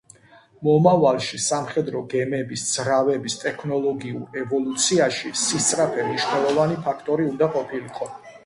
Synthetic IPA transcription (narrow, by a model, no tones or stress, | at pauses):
mɔmavalˠʃisamχɛd̪ɾɔɡɛmɛbisd̪z̥ɾavɛbist̪ʼɛkʰnɔlˠɔɡiṵɾɛvɔlˠut̪sʰiaʃisist̪sʼɾapʰɛmniʃnɛlˠɔvanipʰakʰt̪ʼɔɾiund̪aqʼɔpʰiliqʼɔ